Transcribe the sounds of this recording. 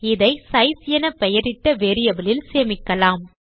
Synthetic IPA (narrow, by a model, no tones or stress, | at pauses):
ɪðɐɪsɐɪsɪjɐnɐpɛjɐɾɪt̪ːɐʋeːɾɪjɐbɪlɪlseːmɪkːɐlaːm